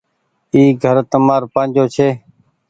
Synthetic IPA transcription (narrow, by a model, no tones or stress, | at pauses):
iːɡʱəɾt̪əmaːɾpəːnd͡ʒoːt͡ʃʰeː